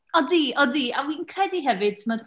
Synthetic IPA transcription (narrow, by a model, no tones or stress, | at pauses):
ɔdiːɔdiːawinkʰrɛdiɦɛvɨd̥̚tʰɪmɔd